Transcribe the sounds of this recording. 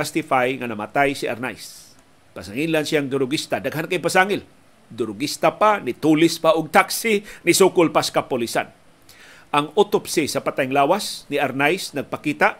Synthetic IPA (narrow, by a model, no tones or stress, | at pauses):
ast̪ɪfajŋanamat̪ajsiʔa̰ɾnajs | pasaŋilansɪjaŋd̪ʊɾʊɡist̪adaɡɦankajpasaŋɪl | d̪ʊɾʊɡist̪apanit̪ulɪspaʊɡ̚t̪aksinisukʊlpaskapʊlisa̰n | ʔaŋut̪ʊpsisapat̪ajŋlaːwasniaɾnajsnaɡ̚pakiːt̪aʔ